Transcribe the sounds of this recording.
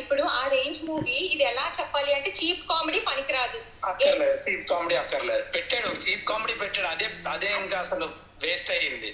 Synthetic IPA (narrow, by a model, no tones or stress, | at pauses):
ɪpːɔɽʊ̃aːɾeːɲd͡ʒmuːʋiɪðɛlːãːt͡ʃɐpːaːlɪjɐɳɖɯt͡ʃiːpkaːmɛɽipɐɳɪkːɪɾaːðɯ | ɐkːɐɾlɐt͡ʃiːp̚kaːmeɽiɐkːɐɾlɛpɛʈːeːɽut͡ʃiːp̚kaːmɛɽipɛʈːeːɽɐðeːɐðeːɐŋɡaːsɐnɐ | ʋeːsʈaːɪɾɯnd̪i